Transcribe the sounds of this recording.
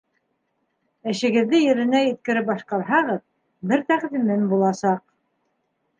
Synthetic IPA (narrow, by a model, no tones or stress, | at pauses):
ɘ̆ʃɘ̆ɡɘ̆ðːɘjɘ̆ɾɘ̆næjɘ̆t̪̚kɘ̆ɾɘp̚bɑʃqɑɾɦɑʁɤð | bɘɾt̪æqðimɘnbulˠɑsɑq̚